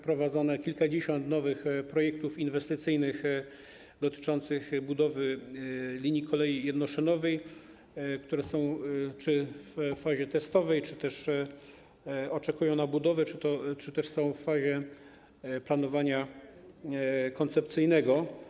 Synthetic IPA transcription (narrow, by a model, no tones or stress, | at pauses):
pɾɔvad̪zanɛkʲilkad͡ʑeɕɔnt̪nɔvɘxpɾɔjɛk̚t̪ufinvɛst̪ɘt̪sɘjnɘx | d̪ɔt̪ɘ̥t͡ʂɔnt̪sɘxbud̪ɔvɘ | lʲiɲjikʰɔlɛjijɛd̪nɔʂɛnɔvɛj | kt̪uɾɛsɔ̃w̃t͡ʂɘfːaʑɛt̪ɛst̪ɔvɛjt͡ʂɘt̪ɛʂ | ɔt͡ʂɛkujɔ̃w̃nabud̪ɔvɛt͡ʂɘt̪ɔt͡ʂɘt̪ɛʂsɔ̃w̃fːaʑɛ | plan̪ɔvaɲa | kɔnt̪sɛpt̪sɘjnɛɡɔ